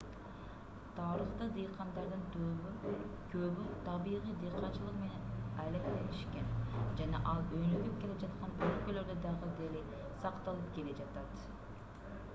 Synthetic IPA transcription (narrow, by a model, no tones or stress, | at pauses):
t̪ʰɑɾɯχt̪ɯd̪ijqʰɑnd̪ɑɾd̪ɯn | kʰøβyt̪ʰɑbiʁijd̪ijqʰɑnt͡ʃɯlˠəqme̞ne̞nɑjlekt̪ejiʃkʲend͡ʒɑnɑ̰ʔɑlˠønyɡyp̚ke̞led͡ʒɑt̪qɑnølkølø̞ɾd̪ød̪ɑʁəd̪ele | sɑqt̪ɑlˠɯp̚ke̞le̞d͡ʒɑt̪ɑt̪